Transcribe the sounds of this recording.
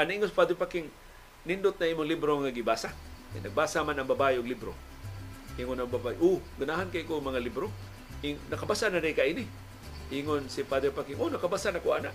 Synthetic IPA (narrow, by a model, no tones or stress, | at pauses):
anaʔiŋonspad̪ɾopakɪŋ | nɪndʊt̪̚naiːmʊŋlibɾoŋaɡibaːsaka̰jnaɡ̚baːsamanaŋbabajʊɡlibɾo | ʔiŋonaŋbabajʔoɡanaɦankaʔkomɐŋalibɾo | ʔiŋnɐkabasanaɾɪkaʔinɪ | ʔiŋonsipad̪ɛpakɪŋʔonakabasanakoanaʔ